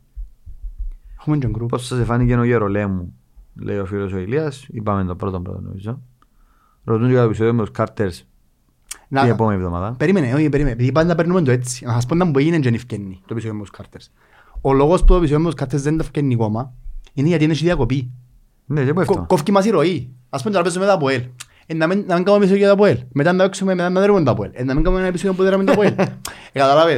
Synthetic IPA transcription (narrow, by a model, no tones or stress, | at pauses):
exumend͡ʒeŋɡɾuposːɐsefɐnicenoʝeɾolemːu | lʔḛiofilosoiliɐsipɐmend̪obɾot̪ombɾo̰t̪o̰nḛpison | ɾot̪unkɐt̪episoðiomet̪oskʰɐɾt̪ʰeɾs | nɐiepomenivðoma̰ðɐpeɾimeneopeɾimenepiðipand̪ɐpeɾnːumend̪oet͡sːi̥nɐsɐs̬ponːɐmuboejinend͡ʒenifcenːit̪oepis̬oðiomːɐt̪oskʰɐɾt̪ʰeɾs | oloɣost̪oepis̬oðiomet̪uskaɾt̪ːezðend̪ɐfcenːikomɐineʝat̪inet͡ʃiðiɐkopi | nesebuɛfkkofcimas̬iɾoiaspont̪aɾpezument̪apoel | enːaminːɐmiŋɡamoemis̬ojoat̪apoelmet̪anːaveksumemet̪anːaðeɾumend̪apuḛlenːɐmiŋɡammnepis̬oðjombuðeɾamend̪poelekat̪alave